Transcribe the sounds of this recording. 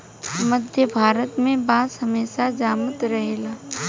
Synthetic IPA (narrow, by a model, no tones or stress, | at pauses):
məd̪ʱjəbʱaːɾət̪mẽbaːsɦɐmeːʃad͡ʒaːmət̪ɾɐɦeːlaː